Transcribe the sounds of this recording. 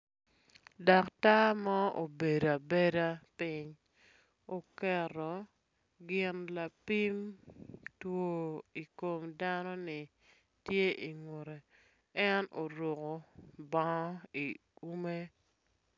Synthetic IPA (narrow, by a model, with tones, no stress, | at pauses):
dɔ˨kta˦mɔ˦o˨be˨da˨be˦da˦pi˦ɲ | o˨kɛ˨ɾɔ˨ | ɡɪ˨nla˨pi˦m | two˦i˨ko˨mda˦nɔ˦nɪ˨ | tje˦ʔi˨ŋwo˨ɾe˨ | ɛ˦no˨ɾo˨ko˨ba˦i˨ | ku˦me˦